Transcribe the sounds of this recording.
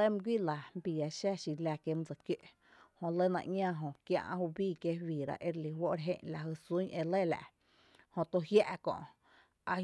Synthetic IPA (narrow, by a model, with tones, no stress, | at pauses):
ə˦mɨ̃˧ɡʷi˦la˨m˦bi˨a˨˧ʃa˦ʃi˧˨læ˧˨kje˧mũ˦t͡sa˨kje˦ʔ | hõ˧lə˦nã̰˧ʔɲʲã˦˧ɦõ˧kjã̰˧ʔã̰˧hu˧biː˦˨kje˦wiː˨ɾa̰˧˨ʔe˧ɾli˧˨ɦwo˦ʔɾeɦḛ̃˦˧ɲla˨ɦɨ˧˨su˦ɲʔe˧le˦˨la̰˨ʔ | hõ˧t̪o˧hja˦ʔkɔ̰̃˧˨ʔ | a˧